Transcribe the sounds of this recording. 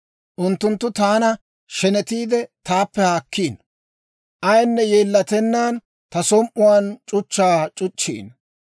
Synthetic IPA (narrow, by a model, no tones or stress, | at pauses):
ʔʊnt̪ːʊnt̪ːʊt̪aːnɐ | ʃɛnɛt̪iːd̪ɛt̪aːpːɛhaːkʰːiːn | ʔɐjnːɛjeːlːɐt̪ɛnːaːn | t̪ɐsɔmʔʊwaːnt͡ʃʼʊt͡ʃːaːt͡ʃʼʊt͡ʃːḭːn